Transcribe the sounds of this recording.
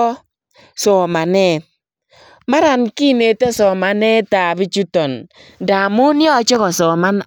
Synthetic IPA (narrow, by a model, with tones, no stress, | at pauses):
ɔ˦ | sɔː˨ma˨nɛ˦ | ma˦ɾa˨nki˦˨ne˨te˦sɔ˨ma˨nɛ˦ta˨bi˦t͡ʃu˦tɔ˨n | da˨mʊ˦njɔ˦˨t͡ʃɔ˦ɣɔ˨sɔ˨ma˦n